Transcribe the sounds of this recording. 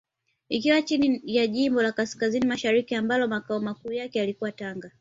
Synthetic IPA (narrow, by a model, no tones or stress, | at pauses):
ikiwat͡ʃinijaʄimbɔlakaskazinimaʃaɾikiambalɔmakaɔmakuːjakɛjalikuwataŋɡa